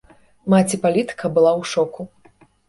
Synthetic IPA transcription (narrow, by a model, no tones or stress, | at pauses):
mat͡sʲipalʲit̪ɨ̥kɐbɨlˠawʂɔku